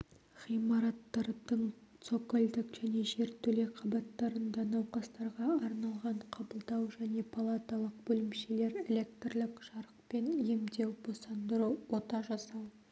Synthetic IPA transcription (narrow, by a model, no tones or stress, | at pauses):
χijmɑɾɑt̪ːɑɾd̪əɴt̪so̞kolʲd̪ɪkʒ̥æne̞ʒe̞ɾt̪ʰːɵle̞qʰɑbɑt̪ːɑɾənd̪ɑnɑwqɑst̪ɑɾʁɑːɾnɑlˠʁɑɴqʰɑbəlˠd̪ɑwʒæne̞pʰalˠat̪alˠəq̚bɵlɪmʃe̞le̞ɾe̞lʲe̞k̚t̪rlˠɪkʒ̥ɑɾəq̚pe̞njemd̪e̞wb̥osɑnd̪əɾuwo̞t̪ɑʒɑsɑw